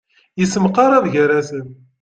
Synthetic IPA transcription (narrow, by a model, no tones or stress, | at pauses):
jəsəmqɑɾˤaðʝəɾæsən